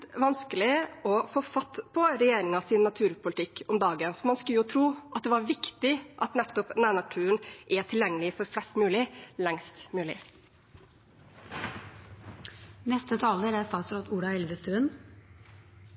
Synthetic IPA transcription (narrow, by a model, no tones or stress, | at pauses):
ʋɑnskəlɪɔfoːfɑt̪ːpʰɔɾɛjeːɾɪŋɑsɪnːɑt̪ʰʉːɾpʰʊlət̪ʰɪkːɔmd̪ɑːɡənfɔɾmɑnskʉljʊt̪ʰɾuːʔɑt̪̚d̪ɛʋɑːɾʋɪkt̪ɪʔɑt̪nɛt̪ːɔpnæːɳɑʈʰʉːənʔɛʈʰɪljɛŋːəlɪfɔɾflɛst̪mʉːlɪlɛŋst̪mʉːlɪ̰ | nɛst̪ət̪ʰɑːləɾæst̪ɑːt̪sɾɔt̪uːɽɑɛlʋəst̪ɾʉən